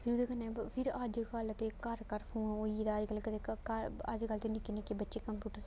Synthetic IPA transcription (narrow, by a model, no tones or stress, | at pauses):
pʰɪɾud̪ekənːẽpʰɪɾəd͡ʒkələt̪eːkəɾkəɾpʰoːnoːid̪ad͡ʒkəlkət̪ekəɾə̰d͡ʒkəlt̪eːnɪkɪnekebətːʃeːkəmpjuːʈəɾ